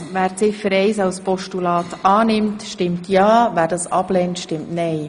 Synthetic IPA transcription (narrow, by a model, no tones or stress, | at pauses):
ʋæːɾt͡sɪfəɾɛɪsɑlspɔʃtulɑːtɑːnɪmtʃtɪmtʰjɑːʋæːɾdɑːsɑblɛntʃtɪmtnɛɪ